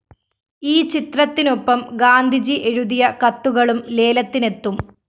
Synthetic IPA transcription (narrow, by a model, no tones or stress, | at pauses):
iːt͡ɕit̪rɐt̪ːinopːɐmɡaːnd̪ʱid͡ʑiʔe̞ɻuðijɐkɐt̪ːuɣɐɭumle̞ːlɐt̪ːine̞t̪ːum